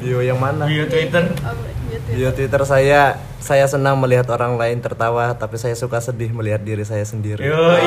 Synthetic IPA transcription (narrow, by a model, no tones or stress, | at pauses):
diojaŋmanajot̪it̪ər | ijot̪it̪ərsaja | sajasənaŋməliɦat̪oɾaŋlaɪnt̪ərt̪awat̪apisajasukasədɪɦməliɦat̪̚diɾisajasəndiɾio